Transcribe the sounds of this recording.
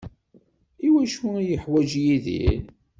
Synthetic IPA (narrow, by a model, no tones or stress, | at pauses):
iwæʃujəħwæʒjiðḭl